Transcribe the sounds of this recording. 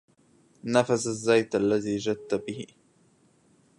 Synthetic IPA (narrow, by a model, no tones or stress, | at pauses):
nafasazːajt̪ʔalːaðiːd͡ʒad̪̚t̪ːabɪhɪ̰